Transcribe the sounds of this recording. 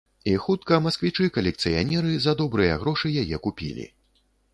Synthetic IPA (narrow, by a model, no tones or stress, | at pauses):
ixut̪̚kɐmɐskvʲit͡ʂɨkɐlʲɛk̚t̪sɨja̰nʲɛɾɨzɐd̪ɔbɾɨjɐ̰ɣɾɔʂɨjajɛkupʲḭlʲḭ